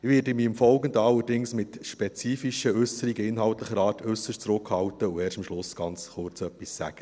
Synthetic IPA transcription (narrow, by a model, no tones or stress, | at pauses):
ʋɪːɾdəmiːəmfɔlɡəndəɑlːəɾdɪŋsmɪt̪ʃpɛt͡siːfiʃəʏsəɾiɡəɪnɦɑltləχəɾɑːrtʰʏsəʃtt͡sɾʊkhɑwtəuɛːʃtəmʃlʊsɡ̥ɑnt͡sχʊrt͡sœpːissæ̰ɡ̥ə